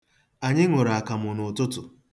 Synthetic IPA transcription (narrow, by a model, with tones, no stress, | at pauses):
a˨ɲɪ˦ŋʊ˨ɾa˨a˨ka˨mʊ˨nʊ˨tʊ˦tʊ˨